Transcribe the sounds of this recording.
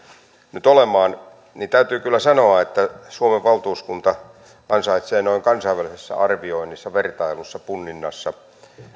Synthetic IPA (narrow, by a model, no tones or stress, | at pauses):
nyt̪olemˑɑːn | niːnt̪æyt̪yːkylːæsɑnoɑet̪ːæsuomeʋʋɑlt̪uːskunt̪ɑ | kɑnsɑit̪seːnoiŋkɑnsɑiʋælisesːɑ̰ʔɑrʋioinːisːɑʋert̪ɑilusːɑpunːinːɑsːɑ